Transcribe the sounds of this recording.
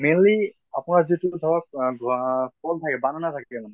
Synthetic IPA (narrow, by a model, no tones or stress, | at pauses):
meli | apunaɹzitusawak̚ɡɔbɔltʰakɛbananatʰakɛɛlam